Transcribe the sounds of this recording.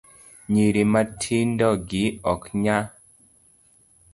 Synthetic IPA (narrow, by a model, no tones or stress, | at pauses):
ɲiɾimatʰindɔɡiɔkɲa